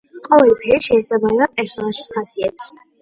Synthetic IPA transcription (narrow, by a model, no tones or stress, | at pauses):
qʼɔvɛlpʰɛɾiʃɛːsabamɛbapʼɛɾsɔnaʃi̥sχasiɛt̪ʰs